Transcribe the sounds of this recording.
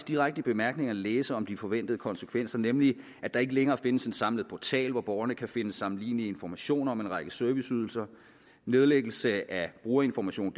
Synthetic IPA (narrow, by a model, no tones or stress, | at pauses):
sd̥iʁaɡ̥̚d̥əb̥e̝mæɐɡ̥ne̝ŋɐæleːsəɒ̽md̥ifɒ̽ʋen̰d̥ð̞̩ˠəkʰɒ̽nsə̥kʰʋen̰sɐnemli | æd̥ɑ̈e̝ɡəleŋɐːfe̝nəse̝nsɑ̈mləð̩ˠpʰɒt͡sʰɛ̰ːlʋɒb̥ɒʊɐnəkʰæfe̝nəsːɑ̈mn̩liːniəe̝nfɒmæɕo̝̰ːnɐɒ̽menʁɑ̈ɡ̥əsøɐʋisyð̞ˠl̩sɐ | ne̝ð̞ˠleɡ̥l̩səæb̥ʁuːɐe̝nfɒmæɕo̝̰ːn̥